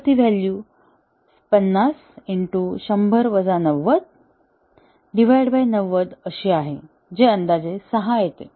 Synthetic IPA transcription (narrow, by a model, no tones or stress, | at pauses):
pt̪iʋælju | pənːas | iɳʈuɕəmbʱəɾʋəd͡zanəʋːəd̪̚ | ɖiʋajɽbajnəʋəd̪əɕiaɦe | d͡ʑeənd̪ad͡zesəɦajet̪ḛ